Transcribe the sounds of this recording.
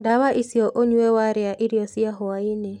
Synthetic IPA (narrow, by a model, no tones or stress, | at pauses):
dawaʔisiɔʔoɲuewaɾeaʔiɾjɔsiaɦɔaine